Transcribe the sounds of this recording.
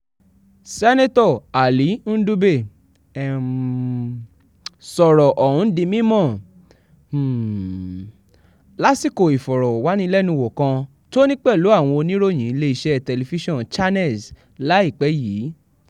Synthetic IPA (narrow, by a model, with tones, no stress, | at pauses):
sɛ˦ne˦tɔ˦˨a˨li˨˦n̩˦du˦be˦˨ | sɔ˨ɾɔ˨ʔɔ˨hũ˨˦dĩ˧mĩ˦mɔ̃˦˨˦ | la˦si˦˨ko˦˨i˨fɔ˨ɾɔ˨wa˨˦nĩ˦lɛ˦nũ˧wɔ˨kã˧ | to˦nĩ˦k͡pɛ˦˨lu˨˦a˦˨w̃ɔ̃˧o˧nĩ˦ɾo˦˨j̃ĩ˨˦˧le˦i˧ʃɛ˦tɛ˧le˧fi˦ʃɔ̃˦˨nt͡ʃa˦nɛ˦˨s | la˨˦i˦˨k͡pɛ˨˦jiː˨˦